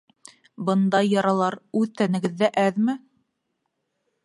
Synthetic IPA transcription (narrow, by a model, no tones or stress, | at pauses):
bɤ̆nd̪ɑjːɑɾɑlˠɑɾʉðt̪ænɘ̆ɡɘ̆ðːæʔæðmɘ